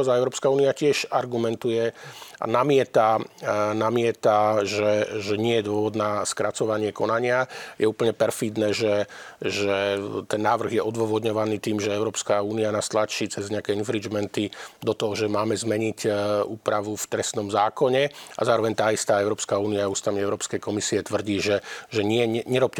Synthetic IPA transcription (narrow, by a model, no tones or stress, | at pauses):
ɔzaɛʊɾɔːpskauːniacɪɛʃaɾɡumɛnt̪ujɛa̰namɪɛt̪anamɪɛt̪aʒɛʒɛɲɪɛjɛd̪ʊɔʋɔd̪naskɾat͡sɔʋaɲɪɛkɔnaɲɪajɛuːpəɲɛpɛɾfid̪nɛːʒɛʒɛt̪ɛnːaːʋr̩ɣjɛʔɔd̪ʋɔʋɔd̪ɲɔʋaniːt̪iːmʒɛɛʊɾɔːpskauːnianast̪lat͡ʃit͡sɛzɲɛakɛːinfɾid͡ʒmɛnt̪id̪ɔt̪ɔɦɔʒɛmaːmɛzmɛɲicuːpɾaʋuft̪ɾɛst̪nɔmzaːkɔɲɛa̰zaːɾɔʋɛɲt̪aːist̪aːɛʊɾɔːpskauːniaust̪amiɛʊɾɔːpskɛjkɔmisiɛt̪ʋr̩ɟiːʒɛʒɛɲɪɛɲɛɲɛɾɔp̚cɛ